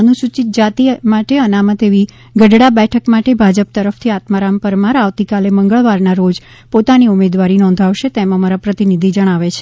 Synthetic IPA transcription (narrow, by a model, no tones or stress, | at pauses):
ənuʃut͡ʃit̪̚d͡ʒat̪imaʈeənamət̪eʋi | ɡəɖɽabɛʈʰəkmaʈebʱad͡ʒəp̚t̪əɾəft̪ʰiat̪maɾampəɾmaɾaʋt̪ikaleməŋɡəɭʋaɾnaɾod͡ʒ | pot̪aniumed̪ʋaɾinɔ̃nd̪ʱaʋʃet̪emãmaɾapɾət̪inid̪ʱid͡ʒəɽ̃aʋet͡ʃʰe̥